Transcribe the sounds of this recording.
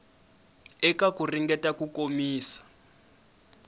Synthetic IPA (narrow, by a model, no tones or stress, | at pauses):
ɛkakuriŋɡɛtakukomiːsḁ